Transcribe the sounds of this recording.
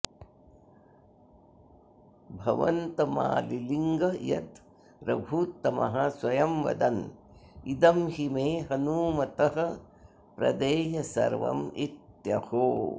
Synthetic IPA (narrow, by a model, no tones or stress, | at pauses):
bʱɐʋɐnt̪ɐma̰ːliliŋɡɐjɐ̰t̪ | ɾɐbʱuːt̪ːɐmɐ̰ɦɐsʋɐjɐmʋɐ̰d̪ɐn | id̪ɐmhimeːɦɐnuːmɐt̪ɐɦɐ | pɾɐ̰d̪eːjɐsɐ̰ɾʋɐ̰mit̪jɐhoː